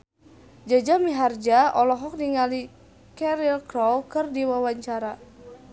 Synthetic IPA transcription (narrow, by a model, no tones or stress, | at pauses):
d͡ʒad͡ʒamiɦard͡ʒaɔlɔɦɔk̚niŋali | kɛɾilkɾɔwkɨrdiwawaɲt͡ʃaɾa